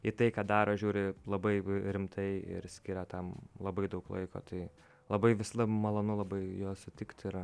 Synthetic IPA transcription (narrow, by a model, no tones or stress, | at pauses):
it̪ɐɪkɑːd̪ɑːɾoːʒʲuːɾʲɪlˠɐbɐɪɾʲɪmt̪ʰɐɪɪ̰ɾsʲkʲiɾɐt̪ɐmlˠɐbɐɪd̪ɐʊklˠɐ̰ɪko̰ːt̪ɐɪ | lˠɐbɐɪʋʲɪslˠɐmɐlˠɐːnʊlˠɐbɐɪjoːsʊt̪ʲɪkt̪ʲɪɾ